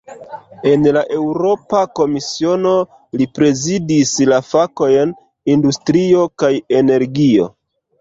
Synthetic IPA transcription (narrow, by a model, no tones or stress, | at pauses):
e̞nlaʔe̞wɾo̞pako̞misio̞no̞ | lipɾe̞zidislafako̞jn | industɾio̞kaje̞ne̞ɾɡio̞̰